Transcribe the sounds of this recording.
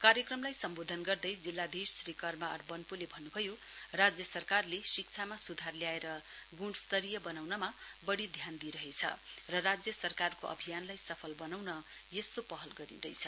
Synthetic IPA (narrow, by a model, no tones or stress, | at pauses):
kaɾjʌkrʌmlajsʌmbod̪ʱʌnɡʌrd̪ʌjd͡zilːad̪issrikʌrmaʌrbʌnpulebʱʌnːubʱʌjo | rad͡zjʌsʌrkarlesik̚t͡sʰamasud̪ʱarljaeɾʌ | ɡuɽst̪ʌɾijʌbʌnawnʌma | bʌɽid̪ʱjand̪iɾʌɦet͡sʰʌ̰rʌrad͡zjʌsʌrkarkoʔʌ̰bʱijanlajsʌpʰʌlbʌnawnʌ | jest̪opʌɦʌlɡʌɾḭd̪ʌjt͡sʰʌ